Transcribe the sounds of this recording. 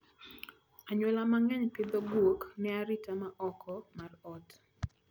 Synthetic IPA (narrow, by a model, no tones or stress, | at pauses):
aɲwolamaŋɛɲpɪd̪ɔɡwoknɛaɾitamaʔɔkʰɔmarɔt